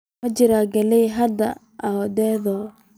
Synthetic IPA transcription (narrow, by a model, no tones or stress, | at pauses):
ɐd͡ʒɪɾaːɡɐlɛjɦɐd̪ɐ̰ | ʔad̪ɛːðɔː